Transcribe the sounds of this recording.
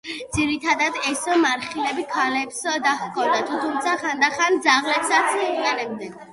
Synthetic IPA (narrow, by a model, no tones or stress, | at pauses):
d̪ziɾit̪ʰad̪ad̪ɛsmaɾχilɛbikʰalɛpsd̪aχkʰʼɔd̪at̪ʰut̪ʰumt̪sʰaχand̪aχand̪zaʁlɛpsat̪sʰʼɛnɛbd̪ɛa